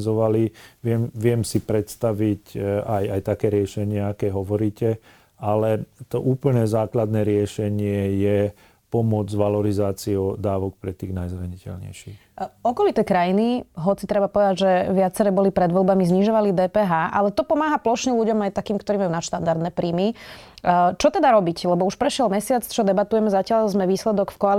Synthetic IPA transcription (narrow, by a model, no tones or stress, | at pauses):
zɔʋaliʋɪɛmʋɪɛmsipɾɛt̪st̪aʋicajajt̪akɛːɾɪɛʃɛɲɪɛakɛɦɔʋɔɾiːcɛ | alɛt̪ɔʔuːpl̩ɲɛːzaːklad̪nɛːɾɪɛʃɛɲɪɛjɛ | pɔmʊɔd͡zʋalɔɾizaːt͡siod̪aːʋɔk̚pɾɛt̪iːɣnajzɾaɲicɛ̰lɲɛ̰jʃḭːxɔkɔlit̪ɛːkɾajiniɦɔt͡sit̪ɾɛbapɔʋɛd̪aɟʒɛʋɪat͡sɛɾɛːbɔlipɾɛd̪ʋɔlbamizɲiʒɔʋalid̪ɛːpɛːɦaːʔalɛt̪ɔpɔmaːɦaplɔʃɲɛluɟɔmajt̪akiːmkt̪ɔɾiːmajunaʃt̪and̪aɾd̪nɛːpɾiːmi | t͡ʃɔt̪ɛd̪aɾɔbiclɛbɔuʃpɾɛʃɪɛlmɛsɪat͡st͡ʃɔd̪ɛbat̪ujɛmɛzacɪalzmɛʋiːslɛd̪ɔkfkɔal